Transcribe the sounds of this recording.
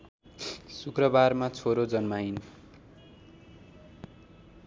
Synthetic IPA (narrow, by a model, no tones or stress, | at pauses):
sukrʌbarmat͡sʰoɾod͡zʌnmajn